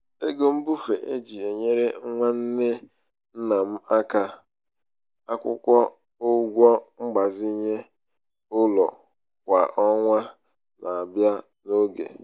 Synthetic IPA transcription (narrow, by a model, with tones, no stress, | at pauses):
e˦ɡo˦m̩˦bu˦fe˨ʔe˦d͡ʒi˨e˨ɲe˦ɾe˦ŋʷa˦n̩˦ne˦ | n̩˦na˨m̩˦a˦ka˦ | a˦kʷʊ̰˦kʷɔ˦ | o˦ɡʷɔ˦ŋ͡m̩˦ɡ͡ba˨zi˦ɲe˦ | ʊ˦lɔ˨ | kʷa˨ʔɔ˦ŋʷa˦ | na˨a˨bja˦ | no˦ɡḛ˨